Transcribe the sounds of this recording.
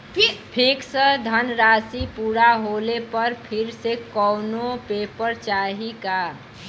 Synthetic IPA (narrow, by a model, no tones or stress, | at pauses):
pʰiksəd̪ʱənɾaːsipuːɾaɦolepəɾpʰɪɾsekɔːnopepəɾt͡ʃaːɦika